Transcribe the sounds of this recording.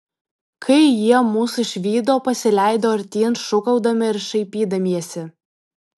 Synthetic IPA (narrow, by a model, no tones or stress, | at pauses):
kʰɐɪjiɛmuːsʊɪʃʲʋʲiːd̪oːpɐsʲɪlʲæɪd̪oːɐɾʲt̪ʲiːnʃʊkɐʊd̪ɐmʲɪɪɾʃɐɪpʲiːd̪ɐmʲiɛsʲɪ